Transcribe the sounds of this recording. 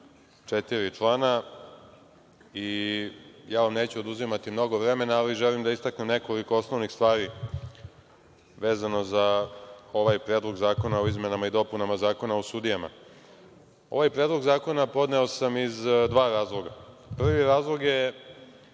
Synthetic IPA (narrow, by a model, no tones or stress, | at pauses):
t͡ʂet̪iɾit͡ʂlˠaːna | i | jaːʋamneːt͡ɕuod̪uzimat̪imno̞ɡo̞ʋɾe̞me̞naːliʒelimd̪aist̪aknemne̞ko̞liko̞osno̞ʋnixst̪ʋaːɾi | ʋe̞ːzano̞zao̞ʋajpɾeːd̪lˠo̞ɡzaːko̞naoizme̞namaid̪o̞punamazaːko̞naosud̪ijama̰ | o̞̰ʋajpɾed̪lˠoɡzaːko̞napo̞d̪ne̞osamizd̪ʋaːɾaːzlˠo̞ɡa | pr̩ʋiɾaːzlˠo̞ɡje̞